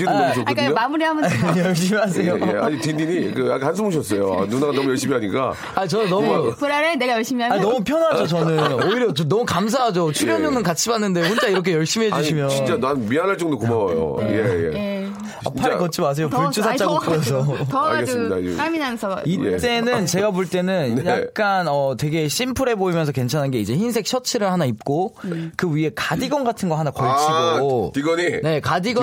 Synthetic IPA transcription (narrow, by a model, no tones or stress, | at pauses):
idueɕokdɲoamuɾiɦamʌjʌɭɕ̬͈imiɦasʰe̞joea̰ɲit̪indiɲikɯakans̬ʰɯmoɕ̬ʰʌs͈ʌjo̰a̰nunaɡanʌmujʌɭɕ͈imiɦaɲik͈a̰ | aɲit͡ɕʌnnʌmupuɾaɾeneɡajʌɭɕ͈imiaaɲinʌmupʰjʌnɦad͡ʑot͡ɕʌnɯnnoiɾjʌt͡ɕonʌmukams̬ʰaɦad͡ʑot͡ɕʰuɾjʌɲoŋɯnkat͡ɕʰibanːɯndeɸont͡ɕaiɾʌk̬ʰejʌɭɕ͈imiɦeuɕʰimjʌit͡ɕ͈ananmianɦaɭt͡ɕ͈ʌŋdokomawʌjo̰jejḛ | a̰pʰaɾekʌt͡ɕʰimas̬ejopoɭt͡ɕ͈ʰusʰat͡ɕ͈aɡokʰɯʌsʰoɡeida̰aminasʰitt͈e̞nɯnt͡ɕe̞ɡaboɭt͈e̞nɯnnjak̚k͈anʌtwe̞ɡe̞ɕ͈impʰuɾe̞boimjʌnsʰʌke̞nt͡ɕʰanɦanɡe̞id͡ʑe̞çins̬ʰe̞k̚ɕ͈ʰʌt͡ɕʰiɾɯɭhanaip̚k͈okɯɥie̞kadiɡʌnɡatʰɯnɡʌhanakʌɭt͡ɕʰiɡotiɡʌnine̞kadiɡʌ